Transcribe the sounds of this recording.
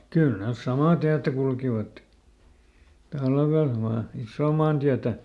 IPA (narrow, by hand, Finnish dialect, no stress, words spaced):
kyl nes sɑmɑˑ tiætæ kulkiʋɑt tɑlʋel ʋɑː isːoː mɑːntiætæ